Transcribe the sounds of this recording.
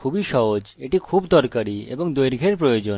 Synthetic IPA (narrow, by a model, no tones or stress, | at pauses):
kʰubiʃɔɦod͡ʑeʈikʰubd̪ɔɾkaɾiḛboŋd̪ojɾɡʱeɾpɾojod͡ʑo